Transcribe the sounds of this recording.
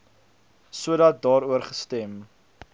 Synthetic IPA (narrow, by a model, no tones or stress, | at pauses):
suədɐt̚dɑːɾuərχəstɛm